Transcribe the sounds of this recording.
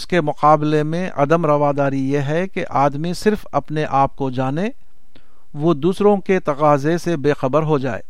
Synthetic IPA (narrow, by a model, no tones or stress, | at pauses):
ɪskemʊqaːblemẽʔɐd̪əmɾɐʋaːd̪aːɾijeɦɛkeʔaːd̪misɪɾfɐpneʔaːp̚kod͡ʒaːne | ʋod̪uːsɾõket̪ɐqaːzesebeːxɐbəɾɦod͡ʒaːḛː